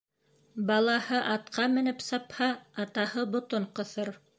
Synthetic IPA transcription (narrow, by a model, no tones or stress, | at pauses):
bɑlˠɑhɤʔɑt̪qʰɑmɘ̆nɘpsɑphɑːt̪ɑhɤbŏt̪oɴqɤ̆θɤɾ